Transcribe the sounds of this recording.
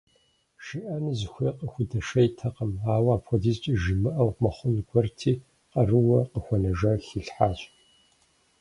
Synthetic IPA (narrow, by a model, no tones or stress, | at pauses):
ʃiʔɐnɨzɨxʷeːqəxʷʊdɐʃɐjtʰɐqɐmaːwaːpxʷɔdiːzt͡ʃʼiʒɪmɨʔɐwmɐχʷʊnɡʷɔrtʰiː | qɐrɨwɐqəxʷɔnɐʒɐxiɬħaːɕʼ